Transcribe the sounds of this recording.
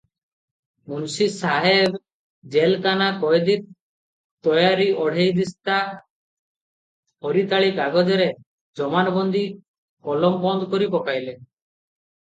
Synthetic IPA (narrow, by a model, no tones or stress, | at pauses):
munsisaɦeb | d͡ʒelkanakɔjd̪it̪̚ | t̪ːɔjaɾiɔɽ̤ejd̪ist̪a | hɔɾit̪aɭikaɡɔd͡ʒɔɾe | d͡ʒɔmanɔbɔnd̪i | kɔlɔmbɔnd̪kɔɾipɔkajle